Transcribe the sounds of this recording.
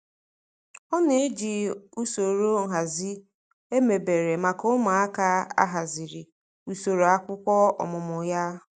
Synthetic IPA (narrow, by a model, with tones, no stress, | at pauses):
ɔ˦ne˨e˦d͡ʒi˨u˦so˨ɾo˦ŋ̩˨ɦa˨zi˦ | e˦me˨be˨ɾe˨ma˨kʊ˦ma˨a˦ka˦a̰˦ɦa˨zi˨ɾi˨ | u˨so˨ɾo˨a˦kʷʊ˦kʷɔ˦ɔ̰˨mʊ˨mʊ˨ja˦